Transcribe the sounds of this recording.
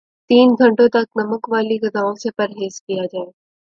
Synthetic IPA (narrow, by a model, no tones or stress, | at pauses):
t̪iːnɡʱəɳʈõt̪ak̚nəməkʋaliːɡəd̪aõsepəɾɦeːskijad͡ʑaːe